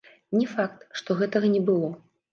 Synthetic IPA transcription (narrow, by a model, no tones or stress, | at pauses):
nʲɛfak̚t̪ʂt̪ɔɣɛt̪ɐɣɐnʲɛbɨlˠɔ